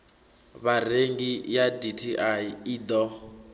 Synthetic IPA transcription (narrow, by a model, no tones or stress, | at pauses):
βareŋɡijaditʰiʔaiid̪ɔ